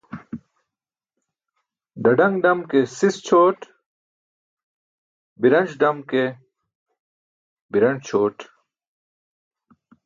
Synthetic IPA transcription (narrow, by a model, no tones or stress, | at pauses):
ɖɐɖɐŋɡɖɐmkesist͡ɕʰoːʈ | biɾɐnd͡ʑɖɐmke | biɾɐnt͡ɕʰoːʈ